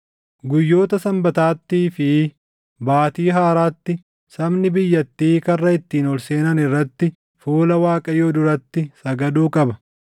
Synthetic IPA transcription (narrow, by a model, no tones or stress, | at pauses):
ɡʊjːo̞ːt̪ɐsɐmbɐt̪aːt̪ːiːfɪ | baːt̪iːɦaːɾaːt̪ːɪ | sɐbnɪbɪjːɐt̪ːiːkɐrːɐɪt̪ːiːnɔlse̞ːnɐnɪrːɐt̪ːɪ | fuːlɐwaːkʼɐjoːd̪ʊɾɐt̪ːɪsɐɡɐd̪uːkʼɐbɐ